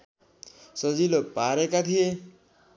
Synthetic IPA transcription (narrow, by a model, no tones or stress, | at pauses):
sʌd͡zilopaɾekat̪ʰije